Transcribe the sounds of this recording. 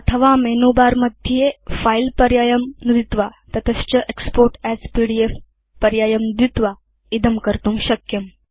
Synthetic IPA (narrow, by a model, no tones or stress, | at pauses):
ət̪ʰəʋamenubaɾməd̪ʱjiefailpəɾjajəmnud̪it̪ʋat̪ət̪ʰəst͡ɕəʔekspoɾʈæzpiɽief | pəɾjajəmnud̪it̪ʋa | id̪əmkəɾt̪uːmɕəkjəm